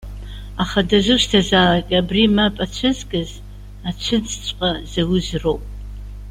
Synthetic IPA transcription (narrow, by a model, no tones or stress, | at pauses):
aχadazɨʃtʰazalakʲʼabrimapʼat͡ʃʷʰɨzɡɨz | at͡ʃʷʰɨt͡st͡ʃʷʼqʼazawʊzrowpʼ